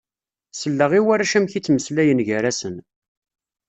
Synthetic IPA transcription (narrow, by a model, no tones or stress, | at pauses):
səlːəʁiwaɾæʃæmçit͡sːməslæjənʝæɾæsən